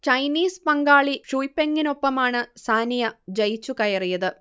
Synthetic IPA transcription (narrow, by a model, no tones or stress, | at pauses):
t͡ɕɐjniːspɐŋɡaːɭiʂujpːeŋːino̞pːɐmaːɳɨsaːnijɐd͡ʑɐjt͡ɕːukɐjɐrijɐðɨ